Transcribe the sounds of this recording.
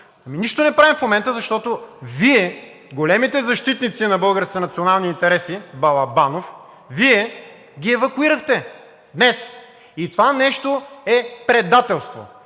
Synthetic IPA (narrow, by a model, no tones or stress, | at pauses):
ɐminiʃt̪onɛpɾavɛmfmomɛnt̪əzɐʃt̪ɔt̪oviɛ | ɡolɛmit̪ɛzɐʃt̪it̪nit̪sinɐbɤlˠɡəɾskʲinɐt̪sionalˠniːnt̪ɛɾɛsibɐlˠɐbanof | viɛ | ɡʲiɛvɐkʊiɾɐxt̪ɛ | d̪nɛs | it̪ovanɛʃt̪oɛpɾɛd̪at̪ɛlˠst̪vo̰